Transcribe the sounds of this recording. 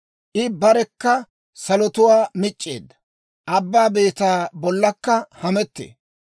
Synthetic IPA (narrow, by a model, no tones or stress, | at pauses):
ʔɪbɐɾɛkːɐ | sɐlɔt̪ʊwaːmɪt͡ʃʼːe̞̰ːd̪ːɐ̥ | ʔɐbːaːbe̞ːt̪aːbɔlːɐkːɐhɐmɛt̪ːḛː